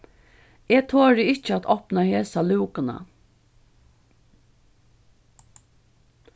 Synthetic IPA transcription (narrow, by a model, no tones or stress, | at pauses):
eːt̪ʰoːɾɪɪt͡ʃəat̪ʰɔpnaheːsalʉːkana̰